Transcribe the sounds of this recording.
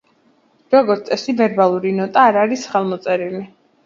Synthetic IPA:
ɾɔɡɔɾt̪sʼɛsivɛɾbalˠuɾinɔt̪ʼaːɾaɾisχɛlˠmɔt̪sʼɛɾili

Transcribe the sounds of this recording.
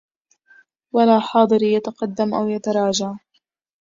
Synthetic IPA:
walaːħɑːd̪ˤɨɾjat̪aqɑd̪ːamʔawjat̪aɾˤɑːd͡ʒaʕ

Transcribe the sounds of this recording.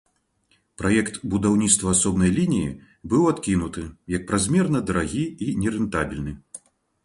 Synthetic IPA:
pɾajɛkt̪bud̪awnʲit̪st̪vɐasɔbnɐjlʲinʲijḭ | bɨwat̪kʲinut̪ɨjɐk̚pɾazʲmʲɛrnɐd̪ɐɾaɣʲiinʲɛɾɨnt̪abʲilʲnɨ

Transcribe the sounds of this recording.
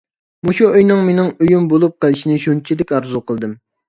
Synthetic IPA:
muʃuøjnɨŋmenɪŋøjymbolˠup̚qʰəlˠɪʃinɪʃunt͡ʃʰid̪ɪkʲɑɾzuqʰəlˠd̪ɨm

